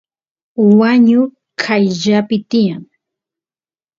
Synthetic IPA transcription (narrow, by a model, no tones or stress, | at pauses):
waɲʊ | kʰaʎʎapɪt̪ɪjaŋ